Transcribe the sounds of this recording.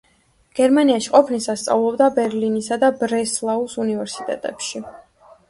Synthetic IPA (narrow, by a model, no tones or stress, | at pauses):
ɡ̥ɛɾmaniaʃiqʼɔpʰnisast̪sʼa̰vlˠɔbd̪abɛɾlinisad̪abɾɛslˠausunivɛɾsi̥t̪ʼɛ̰t̪ʼɛpʃi